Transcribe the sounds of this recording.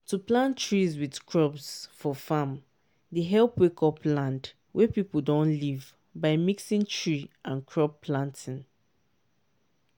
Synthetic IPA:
tuplãntɹizwidkʰɹɔbsfɔfãm | deɦɛlpwekʰɔpʰlãnd | wʔɛpipədɔ̃nliv | baɪmiksĩntʰɹiãnkʰɹɔpːlãntĩn

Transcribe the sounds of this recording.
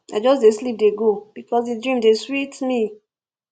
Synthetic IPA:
aɪd͡ʒɔs̬deslip̚deɡob̥ikɔsdidɹĩmdeswitmi

